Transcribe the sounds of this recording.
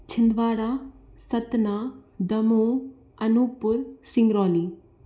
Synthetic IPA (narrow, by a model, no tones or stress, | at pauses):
t͡ʃʰɪnd̪ʋaːɾasɐt̪naːd̪ɐmõː | ɐnupʊɾsɪ̃ŋɡɾɔːliː